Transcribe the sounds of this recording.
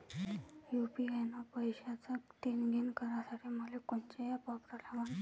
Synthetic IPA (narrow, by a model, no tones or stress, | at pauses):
jupiajnapəjɕat͡sat̪enɡʱinkəɾasaʈʰiːməlekont͡ɕejapapɾəlaʋan